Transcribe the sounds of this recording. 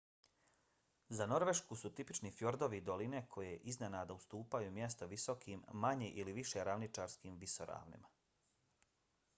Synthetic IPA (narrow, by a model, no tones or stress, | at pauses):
zano̞ɾʋe̞ʃkusut̪ipit͡ʃnifjoɾd̪o̞ʋid̪o̞line̞kʰo̞jeʔiznenaːd̪aust̪uːpajumje̞st̪o̞ʋiso̞kʰiːmːaɲeʔiliʋiʃe̞ɾaʋnit͡ʃaːɾskiːmʋisoɾa̰ːʋnḭma